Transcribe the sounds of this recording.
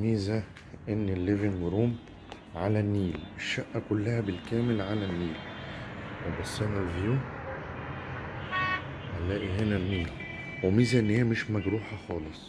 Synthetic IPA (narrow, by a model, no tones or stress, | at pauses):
miːzæ | ʔɪnːɪlːevɪnwɾuːm | ʕalænːiːlɪʃːæʔːækʊlːæhæbɪlkæːmɪlʕalænːiːl | webɑsˤːænævjuː | ʔælːæːʔiɦɪnælmiːl | wɪmiːzæʔɪnːhijːæmɪʃmæɡɾuːħɑxɑːlesˤ